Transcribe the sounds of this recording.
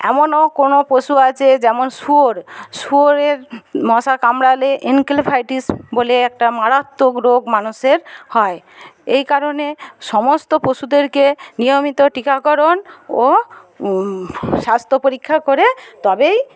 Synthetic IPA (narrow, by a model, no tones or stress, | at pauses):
ɛ̰monokonopɾoʃuat͡ɕʰed͡ʑɛmonʃuoɾsuoɾeɾmɔʃakamɾaleʔinkelpʰajʈisboleɛkʈamaɾat̪ːokɾoɡmanuʃeɾhɔe | ejkaɾoneʃɔmost̪opoʃud̪eɾkenijomit̪oʈikakɔɾono | ʃast̪ʰopoɾikʰːakoɾet̪ɔbej